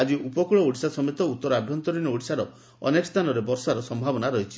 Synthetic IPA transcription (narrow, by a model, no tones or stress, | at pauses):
ad͡ʒiʔupɔkuɭɔoɽisasɔmet̪ɔut̪ːɔɾɔabʱjɔnt̪ɔɾinɔoɽisaɾɔ | ɔ̰nekɔst̪ʰanɔɾebɔɾsaɾɔsɔmbʱabɔnaɾɔɦit͡ʃʰi̥